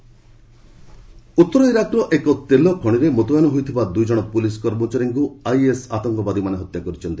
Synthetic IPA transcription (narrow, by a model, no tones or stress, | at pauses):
ut̪ːɔɾɔiɾakɾɔʔekɔt̪elɔkʰɔɽ̃iɾemot̪ɔjanɔɦojt̪ʰibad̪ujd͡ʒɔɽ̃ɔpuliskɔɾmot͡ʃaɾiŋkuajesat̪ɔŋkɔbad̪imaneɦɔt̪jakɔɾit͡ʃʰɔnt̪i